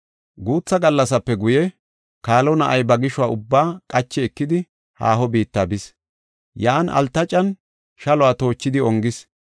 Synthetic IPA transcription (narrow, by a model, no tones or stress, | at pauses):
ɡuːt͡sːɐɡɐlːɐsɐpːɛɡʊjɛ | kaːlɔnɐʔɐjbɐɡɪʃʊwaːʔʊbːaːkʼɐt͡ʃːɛɛkːɪd̪ɪ | ha̰ːɦɔbiːt̪ːaːbɪs | jaːnʔɐ̰lt̪ːɐt͡ʃʼɐn | ʃɐlɔwaːt̪o̞ːt͡ʃːɪd̪ɪɔŋɡɪs